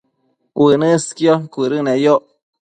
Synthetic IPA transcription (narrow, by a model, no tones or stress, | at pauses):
wənɨskjokʷuɾɨnejoʔ